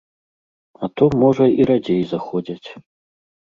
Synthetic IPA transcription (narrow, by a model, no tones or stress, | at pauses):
at̪ɔmːɔʐɐiɾad͡zʲejzaxɔd͡zʲat͡sʲ